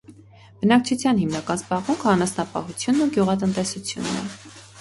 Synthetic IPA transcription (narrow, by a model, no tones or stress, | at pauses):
b̥ənɑk̚t͡ʃʰut͡sʰjɑnhimnɑkɑnzbɑʁmuŋkʰɑnɑsnɑpɑ̰hut͡sʰjunːuɡjuʁɑt̪̬ənt̪ɛsut͡sʰjṵnːɛ̰